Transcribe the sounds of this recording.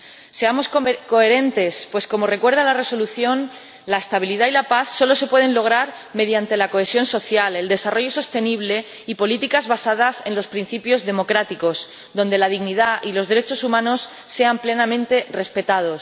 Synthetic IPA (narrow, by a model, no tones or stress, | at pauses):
se̞amo̞skko̞eɾe̞nt̪e̞spwe̞sko̞mo̞re̞kweɾðalare̞so̞luθjo̞n | laest̪aβiliðailapaθso̞lo̞se̞pwe̞ð̞e̞nlo̞ɣ̞ɾaɾ | me̞ðjant̪e̞lako̞esjo̞nso̞θjale̞ld̪e̞saro̞ʝo̞so̞st̪e̞niβ̞le̞ | ipo̞lit̪ikazβasað̞ase̞nlo̞spɾin̟θipjo̞zðe̞mo̞kɾat̪iko̞s | ðo̞nd̪e̞lað̞iɣniðaʔilo̞zðe̞ɾe̞t͡ʃo̞sumãno̞sːe̞ample̞namẽ̞nt̪e̞re̞spe̞t̪að̞o̞s